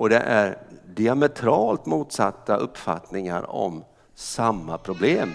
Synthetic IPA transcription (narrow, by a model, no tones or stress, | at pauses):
ʔɔd̪ɛ̰ʔæɾɖɪamɛt̪ʰɾɑːlt̪muːt̪sat̪ːaʔɵpːfa̰t̪nɪŋa̰ɾɔ̰m | samːapʰɾʊbleːm